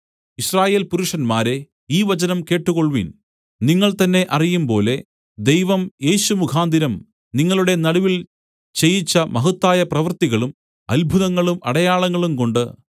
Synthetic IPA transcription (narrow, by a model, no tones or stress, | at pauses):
iɕraːje̞ːlpuɾuʂɐnmaːɾe̞ | iːʋɐt͡ɕɐnɐmke̞ːʈːuɣo̞ɭʋḭn | niŋːɐɭt̪ɐnːe̞ʔɐrijumpo̞ːle̞ | d̪e̞jʋɐmje̞ːɕumukʰaːnd̪iɾɐm | niŋːɐɭuɽe̞nɐɽuʋil | t͡ɕe̞jit͡ɕːɐmɐɦut̪ːaːjɐprɐʋɐrt̪iɣɐɭum | ɐlbʱuðɐŋːɐɭumɐ̰ɽɐjaːɭɐŋːɐɭumko̞ɳɖɨ